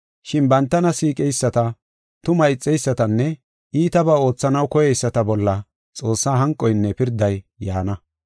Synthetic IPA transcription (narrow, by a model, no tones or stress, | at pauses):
ʃɪnbɐnt̪ːɐnɐsiːkʼɛjsːɐt̪ɐ | t̪ʊmɐɪt͡sʼːɛjsːɐt̪ɐnːɛ | iːt̪ɐbɐo̞ːt͡sːɐnɐwkɔjɛjsːɐt̪ɐbɔlːɐ | t͡sʼo̞ːsːaːɦɐŋkʼːɔjnːɛpɪɾd̪ɐjːaːnɐ